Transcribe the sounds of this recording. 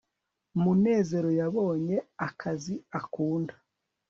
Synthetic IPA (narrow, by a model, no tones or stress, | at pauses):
mune̞ːze̞ɾo̞jaβo̞ːɲe̞akʰaziakuːndḁ